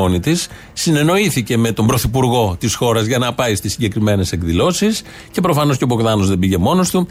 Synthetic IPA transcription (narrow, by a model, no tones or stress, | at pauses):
onit̪isː | ine̞no̞iθice̞me̞t̪o̞mbɾo̞θipuɾɣo̞t̪isxo̞ɾɐzʝɐnɐpɐist̪isːiɲɟe̞kɾime̞ne̞se̞kðilo̞sis | ce̞pɾo̞fɐno̞scepoɣðɐno̞zðe̞biʝe̞mo̞no̞st̪u